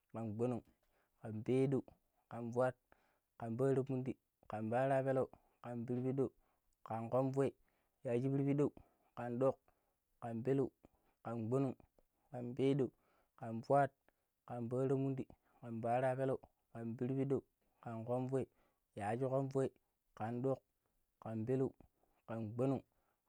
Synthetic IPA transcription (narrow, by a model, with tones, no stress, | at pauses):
ka˨nɡ͡bo˦nu˨ŋ | ka˨nbe˦do˨u˨ | ka˨nvwa˦t̚ | ka˨nba˦ɾo˦mu˦ndi˨ | ka˨nba˦ɾa˦pe˦lo˨u˨ | ka˨nbi˦ɾbi˦ɗo˦˨u˨ | ka˨nko˦m˦vo˦i˨ | ja˨d͡ʒi˦bi˦ɾbi˦ɗo˦u˨ | ka˨nɗo˦˨k | ka˨nbe˦lo˨u˨ | ka˨nɡ͡bo˦nu˦˨ŋ | ka˨nbe˦do˨u˨ | ka˨nvu˦a˦t̚ | ka˨nba˦ɾo˦mu˦ndi˨ | ka˨nba˦ɾa˦pe˦lo˦˨u˨ | ka˨nbi˦ɾbi˦do˦u˨ | ka˨nko˦mvo˦i˨ | ja˨d͡ʒi˦ko˦mvo˦i˨ | ka˨ndo˦˨k | ka˨nbe˦lo˦˨u˨ | ka˨nɡ͡bo˦nu˦˨ŋ